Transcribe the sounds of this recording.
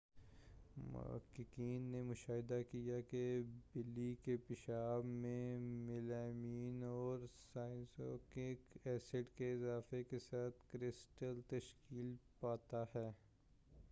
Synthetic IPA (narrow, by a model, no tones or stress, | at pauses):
mʊ̰kɪkiːnːemʊʃaːɦɪd̪akijakebɪlːikepɪʃaːbmẽmɪlaːmiːnɔːɾsaːɪnso̰keɛːsəʈkeɪzaːfekesaːt̪ʰkɾɪsʈəlt̪ɐʃkiːlpaːt̪ahɛː